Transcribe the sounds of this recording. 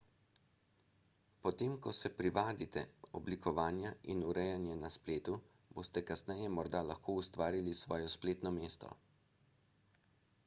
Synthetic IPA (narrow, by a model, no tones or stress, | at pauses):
pɔt̪eːmkɔsɛpɾiʋaːd̪it̪ɛ̰ɔblikʰɔʋaːnjaʔinuɾɛjanjɛnaspleːt̪u | boːst̪ɛkasnɛjɛmɔɾd̪alaxkʰoːust̪ʋaːɾilisʋɔːjɔspleːt̪nɔmeːst̪ɔ̰